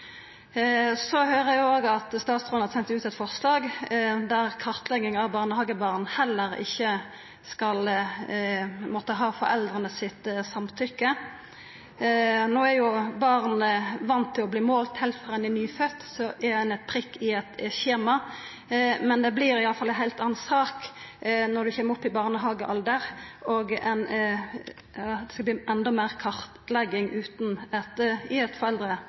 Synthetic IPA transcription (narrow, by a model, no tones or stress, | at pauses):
sɔhøːʁəæoːɡɑt̪st̪ɑːt̪sʁoːnɑsɛnt̪ʉːt̪ɛt̪fɔʁslɑːɡd̪æʁkʰɑʁt̪lɛɡɪŋɑʋbɑːʁnəhɑɡəbɑːʁnhɛlːəʁɪ̰çːə | skɑl | mɔt̪ːəɦɑːfɔ̰ɾɛ̰ld̪ʁənəsɪt̪sɑmt̪ʰʏkːə | noːæɾjʊbɑʁnəʋɑnt̪ʰːɪlɔbliːmoːlt̪hɛɪlt̪fɔʁɛnɪnyːfœt̪ːsɔʔɛɛnɛt̪̚pʰʁɪkːɪɛt̪çeːmɑ | mɛnd̪ɛbliɾɪɑlːəfɑlːɛɦæɪlt̪ɑːnsɑːknɔʁd̪ʉçɛməʁʊpːɪbɑːʁnəɦɑːɡəʔɑld̪əʁoɡɛn | jɑːd̪ɛskɑbliːʔɛnd̪ɑmæːʁkʰɑʁt̪lɛɡɪŋʔʉːt̪nɛt̪ɪɛt̪fɔʁɛld̪ɾə